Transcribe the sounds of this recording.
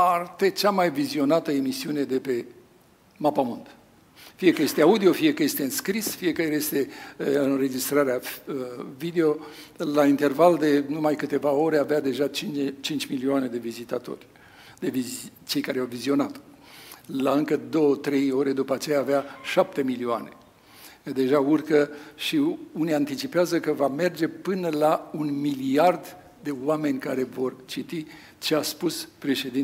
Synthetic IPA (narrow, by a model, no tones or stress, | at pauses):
art̪et͡ʃamajvizio̞nat̪əemisiune̞d̪e̞pe̞ | mapamund̪ | fije̞kəje̞st̪eaud̪io̞fije̞kəje̞st̪eɨnskɾisfije̞kəɾest̪e̞ɨnre̞d͡ʒist̪ɾaɾea | vid̪e̞o̞ | laint̪e̞rvald̪e̞numajkɨt̪e̞vao̞ɾeavead̪e̞ʒat͡ʃit͡ʃint͡ʃʲmilioane̞d̪e̞vizit̪at̪o̞̰rʲ | d̪e̞it͡ʃe̞jkaɾeawvizio̞nat̪ | laɨŋkəd̪o̞wət̪ɾe̞jo̞ɾe̞d̪upəat͡ʃe̞jaːveaʃap̚t̪e̞milioa̰ne | d̪e̞ʒaurkəʃiuniant̪it͡ʃipeazəkəvame̞rd͡ʒe̞pɨnəlaunmiliard̪ | d̪e̞oame̞nʲkaɾe̞vo̞rt͡ʃit̪i | t͡ʃe̞aspuspɾe̞ʃe̞d̪in